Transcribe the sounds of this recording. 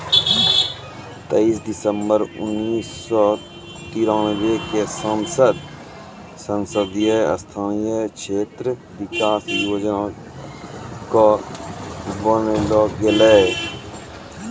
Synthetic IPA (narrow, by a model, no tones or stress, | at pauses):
t̪eiːsd̪ɪsəmbəɾʊ̰nːiːsːɔː | t̪iːɾãːbekesənsəd̪ | sənsəd̪jeə̰st̪ʰaːnjekʃʰeːt̪ɾə | ʋɪkaːsjoːd͡ʒən | ko | bəneloːɡeleː